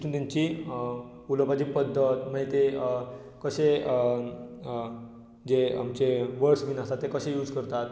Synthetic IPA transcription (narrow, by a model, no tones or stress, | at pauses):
t̪uːnt̪jaɲt͡ɕi | uləpad͡ʑipəd̪ʱːət̪məɦet̪e | kəɕe | d͡ʑeamt͡ɕeʋəɽsʋiːnast̪at̪ːekəɕejuːd͡zkəɾt̪at̪̚